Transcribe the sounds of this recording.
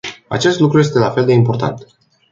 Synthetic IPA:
a̰t͡ʃe̞st̪lukɾuje̞s̬t̪e̞lafe̞ld̪e̞impo̞rt̪a̰nt̪

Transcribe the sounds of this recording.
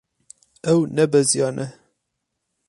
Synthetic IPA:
ɛwnɛbɛzijɑːnʔɛ

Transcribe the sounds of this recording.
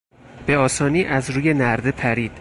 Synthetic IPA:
b̥e̞ɒːsɒːniːʔæzɾuːje̞næɾd̪e̞pʰæɾiːd̪̥

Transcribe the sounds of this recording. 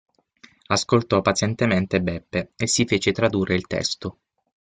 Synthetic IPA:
askolt̪ɔpːat̪sjɛnt̪ement̪ebɛpːeesːifeːt͡ʃet̪ɾad̪uːrːeilt̪ɛ̰st̪o

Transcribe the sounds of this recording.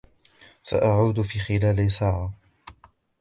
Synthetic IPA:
sa̰ʔaʕuːd̪fiːxɪlaːlɪsaːʕa

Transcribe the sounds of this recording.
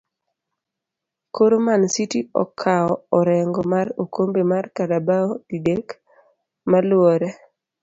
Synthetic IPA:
koɾomansitiɔ̰kʰːaɔɔɾɛŋɡɔmaɾokʰombemarkadabaoidek | malwɔɾɛ

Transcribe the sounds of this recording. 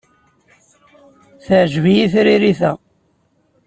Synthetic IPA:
θəʕʒvijiθɾiɾiθæ

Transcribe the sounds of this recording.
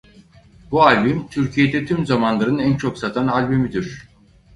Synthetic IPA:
bualʲbimt̪ʰyɾcʰije̞d̪ɛt̪ʰymzamanlˠaɾɯnænt͡ʃʰo̞ksat̪ʰanalʲbimid̪iɾ̥

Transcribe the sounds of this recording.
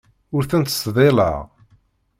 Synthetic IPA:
ʊɾθænt̪ə̥sðˤelə̰ʁ

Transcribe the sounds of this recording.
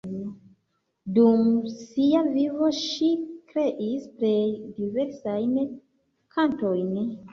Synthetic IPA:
dumsiavivo̞ʃikɾe̞ʔispɾedive̞ɾsajn | kʰanto̞jn

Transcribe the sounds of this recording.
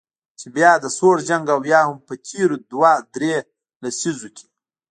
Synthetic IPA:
t͡ʃebjɑd̪əsoɾd͡ʒaŋɡawjɑhʊmpət̪ʰiɾud̪wad̪ɾe | lasizokʲʰi̥

